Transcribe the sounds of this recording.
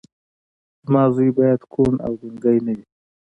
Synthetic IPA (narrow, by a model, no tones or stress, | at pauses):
zmɑzujbɑjad̪kʰona̰wzɪŋɡajnawi